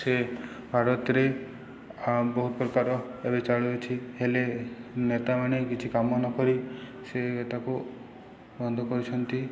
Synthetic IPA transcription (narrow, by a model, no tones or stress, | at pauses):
se | bʱaɾɔt̪ɾe | bɔɦut̪pɾɔkaɾɔebet͡ʃaɭuet͡ʃʰihelenet̪amanekit͡ʃʰikamɔnɔkɔɾi | seet̪aku | bɔnd̪ʱɔkɔɾit͡ʃʰɔnt̪i